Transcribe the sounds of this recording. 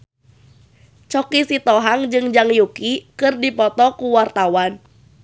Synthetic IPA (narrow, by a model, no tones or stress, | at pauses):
t͡ʃɔkisit̪ɔɦaŋd͡ʒɨŋd͡ʒaŋjukikɨrdipɔt̪ɔkuwart̪awan